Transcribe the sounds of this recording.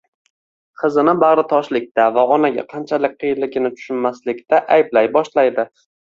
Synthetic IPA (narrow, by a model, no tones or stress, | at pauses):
qʰɨzɨnɪbaʁɾɪt̪ʰɒʃlɪk̚ʲt̪avaɒnaɡʲa̰qʰɑnt͡ʃʰalɪk̚ʲqʰɨjɪlɪɡʲɪnɪt̪ʰʊ̥ʃʊnmaslɪkʲt̪aʔajblajbɒʃlajd̪ɪ